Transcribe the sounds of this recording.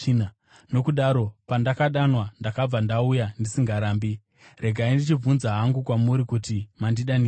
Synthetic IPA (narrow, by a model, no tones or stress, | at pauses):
n | no̞kuɗaɾo̞pandakaɗanwandakab͡vandaujandisiŋɡaɾaːmbi | re̞ɡʱaindit͡ʃib͡vunzaɦaŋɡukwamuɾikutimandiɗani